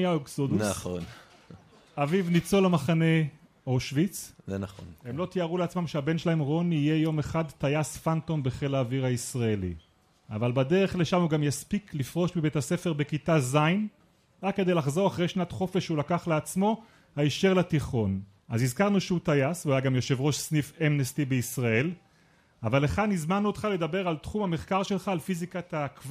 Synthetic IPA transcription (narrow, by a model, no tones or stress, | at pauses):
jaoksodunso̰n | avivnit͡so̞lamaχane̞ | oʃvit͡szenχo̰nhemlo̞t̪iaʁuleat͡smamʃeabe̞nʃelahe̞mʁo̞niije̞jo̞meχadtajasfanto̞mbeχelaːviʁhaisʁaelḭ | avalbade̞ʁe̞χleʃamuɡamjaspiklifʁo̞ʃmibe̞thase̞fe̞ʁbekitazajn | ʁakːede̞jlaχzo̞ʁaχʁe̞jʃnatχo̞fe̞ʃulakaχleat͡smo̞ | haiʃeʁlat̪iχo̞n | azizkaʁnuʃeut̪ajasveajaɡamjoʃe̞vʁo̞ʃsnifemnest̪ibeisʁae̞l | avaleχad̪nizmanuot̪χale̞d̪abeʁalt̪χumhameχkaʁʃelχaːlfizikatakva